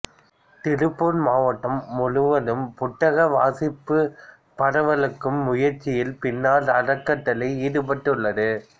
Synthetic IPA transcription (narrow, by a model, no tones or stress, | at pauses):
t̪ɪɾɯpːonmaːʋɐʈːɐmːʊɻɯʋɐðɯmpʊʈːɐɣɐʋaːsɪpːɯ | pɐɽɐʋɐlɯkːɯmːʊjɐɾt͡ʃːɪjɪlpɪnːaːlɐɽɐkːɐʈːɐlɐɪiːðɯpɐʈːɯɭːɐðɯ